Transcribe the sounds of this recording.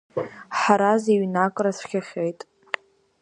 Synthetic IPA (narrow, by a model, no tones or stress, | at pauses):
ħaɾaziɥnakʷʼrasʷχʲaχʲejtʼ